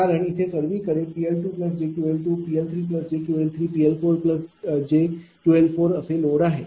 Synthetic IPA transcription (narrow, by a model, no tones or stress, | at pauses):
aɾəɳ̃ɪt̪ʰekəɾʋikəɾepiːelʈuːpləs̬d͡ʑeːʈuelʈuːpiːelt̪ʰɾiːp̬ləsd͡ʑeːʈjuelt̪ʰɾiːpiːelpʰoːɾpləsd͡ʑeːʈuelpʰoːɾəseloːɽaɦeː